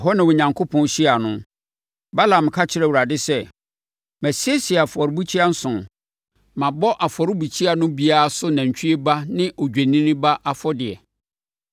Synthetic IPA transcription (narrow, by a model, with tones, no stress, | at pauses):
ɦɔ˦nã˨wɔ˨ɲã˨ŋkʰo˦pʰɔ̃˨nɕi˦a˨nʊ̃˦ | ba˦lã˨m˨kʰa˦t͡ɕʰɪ˦ɾɛ˦˨wu˨ɾa˨dɪ˦sɛ˦ | mɛ˨si˦e˦si˨a˨fɔ˨ɾbu˦t͡ɕʰi˦a˦n̩˦sʊ̃˨n | mã˨bɔ˦ʔa˨fɔ˨ɾɪ˦bu˨t͡ɕʰi˦a˨nʊ̃˦bi˦a˦a˨sʊ˦nã˨ɲ˨t͡ɕʰᶣi˦e˦ba˦nɪ̃˦ʔɔ˨d͡ʑᶣæ˨nĩ˦nɪ̃˦ba˦ʔa˨fɔ˦dɪ˨ɛ˨